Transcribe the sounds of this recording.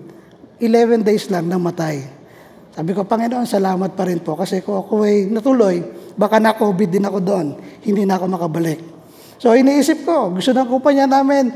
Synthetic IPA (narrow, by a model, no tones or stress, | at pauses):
ʔɪlɛvɛnd̪ejslaŋnɐŋmɐt̪aj | saːbɪko̞pɐŋɪnoʔonsɐlaːmɐt̪̚pɐɾɪnpo̞kɐsɛkoŋɐkoʔɐjnɐt̪ʊlo̞jbaːkanɐkobɪd̪ɪnɐko̞d̪oʔonhɪnd̪inɐɐko̞mɐkɐbɐlɪk̚ | so̞ʔɪniːʔiːsɪp̚ko̞ɡʊst̪onɐŋkʊmpɐɲanaːmɪn